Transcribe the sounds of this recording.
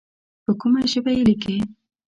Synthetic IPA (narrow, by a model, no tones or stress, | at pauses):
pəkʊmaʒəbajelike